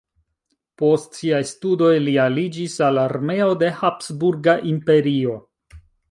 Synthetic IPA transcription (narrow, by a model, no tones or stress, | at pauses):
po̞stsiajstudo̞jlialid͡ʒisalaɾme̞o̞de̞hapsbuɾɡaʔimpe̞ɾio̞